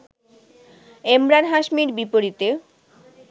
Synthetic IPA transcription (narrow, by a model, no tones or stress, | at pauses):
emɾanɦaʃmiɾbipoɾit̪e